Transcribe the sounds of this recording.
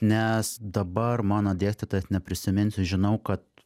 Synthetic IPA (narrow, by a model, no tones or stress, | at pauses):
nʲɛsd̪ɐbɐrmɑːnoːd̪ʲeːsʲtʲet̪oːjɛsnʲɛpʲɾʲɪsʲɪmʲɪnʲsʲɪʒʲɪnɐʊkɐt̪